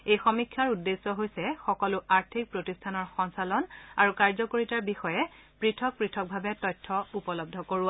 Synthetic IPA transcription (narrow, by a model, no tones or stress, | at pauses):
ejxɔmikʰjaɹudːesːɔɦojsɛxɔkɔlʊʔaɹtʰik̚pɹotistʰanɔɹxɔŋsalɔnaɹukaɹzɔkoɹitaɹbixɔjɛ | pɹitʰɔk̚pɹitʰɔk̚bʱabɛtɔjtʰːɔupɔlɔb̚dʱɔkoɹʊa